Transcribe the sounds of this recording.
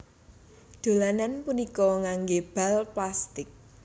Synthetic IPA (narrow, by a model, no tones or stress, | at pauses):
d̪̥o̤lananpunikɔŋaŋɡeb̥a̤lplast̪ɪk̚